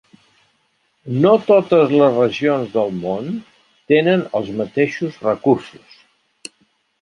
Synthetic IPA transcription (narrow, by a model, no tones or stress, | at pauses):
not̪ot̪əzləzrəʒionzðəlˠmon | t̪enənəlˠzmət̪eʃuzrəkursus